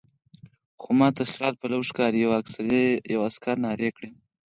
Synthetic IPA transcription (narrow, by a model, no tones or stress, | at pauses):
xomɑt̪aslɑt̪̚palawʂkɑɾijawaksaɾejawaskaɾnɑɾekɽe